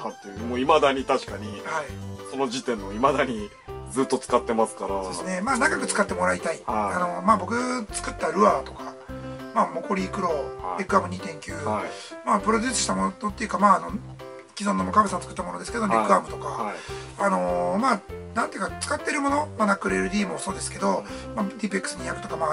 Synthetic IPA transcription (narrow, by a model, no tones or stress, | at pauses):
at̪ːed̪emoimad̪aɲ̟it̪aɕi̥kaɲ̟ihaiso̞no̞ʑit̪ẽ̞nːoimad̪aɲ̟i | d͡zɨːt̪ːo̞t͡sɨ̥kat̪ːe̞masɨ̥kaɾaoesɨne̞maːnaɡakɯ̟t͡sɨ̥kat̪ːemo̞ɾait̪aiano̞maːbo̞k̬ɯ̟t͡sɨ̥kɯ̟t̪ːaɾɯ̟aːt̪o̞̥ka | maːmo̞ko̞ɾʲiːkɯ̟ɾo̞ekɯamɯ̟ɲ̟it̪ẽ̞ŋkʲɯːmaːpɯ̟ɾo̞d̪ʲɨːsɨ̥ɕi̥t̪amo̞not̪ot̪ːe̞jɯ̟kamaːno̞ | kʲizonːomokabɯesãñːt͡sɨ̥kɯ̥t̪ːamo̞no̞d̪eske̞d̪o̞ikɯ̟amɯ̟t̪o̞ka | ano̞maːnãnt̪eɯ̟kḁt͡sɨ̥kat̪ːe̞ɾɯ̟mo̞no̞manakːɯɾeɾɯ̟d̪ʲiːmo̞so̞ːd̪e̞sɨ̥ke̞d̪o̞ | mad̪ʲipekːɯ̟sɨɲ̟ijakɯ̟̥t̪o̞kama